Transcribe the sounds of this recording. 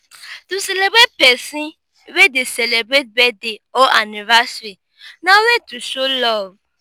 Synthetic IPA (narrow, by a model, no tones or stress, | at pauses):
tũselebɾet̚pɛsĩ | wedesɛlebɾet̚bɛdeɔʔanĩvasɾi | nãwetuʃolɔv